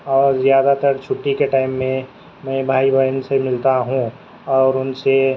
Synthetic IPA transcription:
ɔːɾzjaːd̪at̪əɾt͡ʃʰʊʈːikeʈaːɪmːẽ | mɛ̃bʱaːibʱəjənsemɪlt̪aɦũ | ɔːɾʊnse

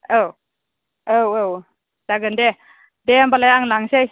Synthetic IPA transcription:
ow | owow | d̥aɡɯnde | deambalajaŋlaŋsej

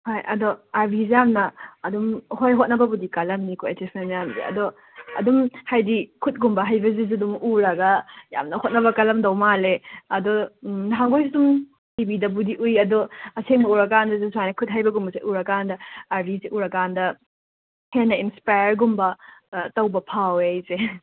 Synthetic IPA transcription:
hajɐ̰doaɾbʱizejamnɐːdumhojɦot̚nɐbɐbudikɐlɐmnikʰuetisʰemjamzḛɐ̰do | ɐ̰dumhajdikʰut̚ɡumbɐɦajbɐzizidumuɾɐɡɐja̰mnɐhot̚nɐβɐkɐlɐmdɐwmaleɐdonɦaŋɡojs̬idum | tibidɐbudiʔujɐdoɐseŋmɐuɾɐkandɐzesuajnɐkʰut̚ɦajbɐɡumbɐseʔuɾɐkandɐaɾbiziʔuɾɐkandɐ | henɐinspajɾɡumbɐtɐwbɐpʰawejze

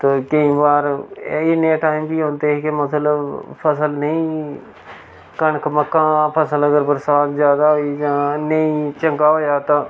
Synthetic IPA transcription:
t̪oːkəĩːbaːɾɪnːẽːʈaːimbiːɦõːnt̪eːkeməsləbpʰəsəlnəĩː | kəɳkʰməkːãːpʰəsələɡəɾbəɾsaːt̪zjaːd̪aːɦoiːd͡ʒãːnəĩːt͡ʃəŋɡaːɦoːjaːt̪ãː

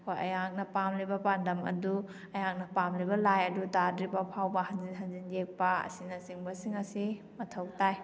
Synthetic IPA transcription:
kʰojɐ̰jak̚nɐpamlibɐpandɐmɐ̰du | ɐjak̚nɐpamlibɐlajɐdutadɾibɐpʰawbɐhɐnziɦɐnzind͡ʒek̚pɐɐ̰sinɐsiŋbɐsiŋɐsi | mɐtʰow̚taj

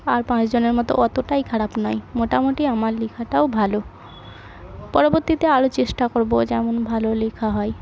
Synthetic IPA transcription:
aɾpãt͡ɕd͡ʑoneɾmɔt̪o̰ʔɔt̪oʈajkʰaɽapnɔjmoʈamoʈiamaɾlikʰaʈaobʱalo | pɔɾoboɾt̪it̪eaɾot͡ɕeʃʈakoɾbod͡ʑɛmonbʱalolekʰaɦɔe

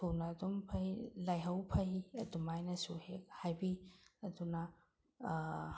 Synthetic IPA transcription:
tʰownɐːdompʰɐjlajɦawpʰɐjɐdumajnɐsuhek̚hajbiɐduna

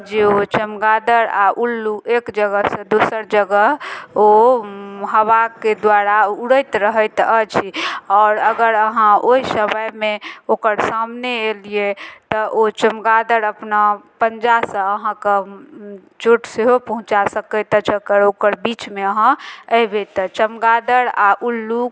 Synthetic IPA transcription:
d͡ʒeot͡ʃəmɡad̪əɾaʔulːuʔekd͡ʒəɡəsə̃d̪osəɾd͡ʒəɡəɦo | ɦəβaked̪waɾauɽəjt̪ɾəɦəjt̪ət͡ʃʰiɔːɾəɡəɾəɦãoɦisəməjmẽokəɾsamneeliet̪ɔʔot͡ʃəmɡad̪əɾəpnapənd͡ʒasə̃ːɦãkə | t͡ʃoʈseɦopəɦũt͡ʃasəkət̪ət͡ʃʰəkəɾokəɾbit͡ʃmeəɦãəjbet̪ət͡ʃəmɡad̪əɾaʔulːuk

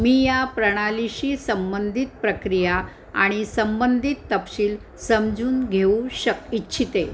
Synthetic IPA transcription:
miːjapɾəɽ̃aliɕiːsəmbənd̪ʱit̪̚pɾəkɾija | a̰ɽ̃isəmbənd̪ʱit̪ːəpɕiːl | səmd͡zuːnɡʱeũɕəkitːɕʰit̪e

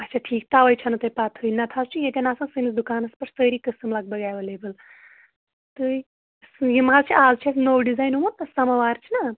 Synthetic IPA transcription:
ɐt͡ʃʰaʈʰiːk̚t̪aːʋɐjt͡ʃʰɐnɨt̪ɐjpat̪ʰɨinɐt̪ʰaːzt͡ʃʰijet̪ʲɐnaːsãːsɨnisd̪ukaːnɐspɐʈsəːɾiːkəsɨmlɐɡ̚bɐɡaːjʋɐleːbɨl | t̪ɨ | sjimaːzt͡ʃʰiʔaːzt͡ʃʰiasnowɖizaːjnɦumɐnɐsɐmɐʋaːɾt͡ʃʰina

